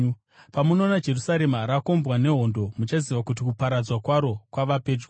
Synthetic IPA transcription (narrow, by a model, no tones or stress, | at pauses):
pamuno̞nad͡ʒe̞rusaɾe̞maɾako̞mbwane̞ɦo̞ndo̞mut͡ʃaziʋakut̬ikupaɾad͡zwakwaɾo̞kwaʋape̞ːd͡ʒɡu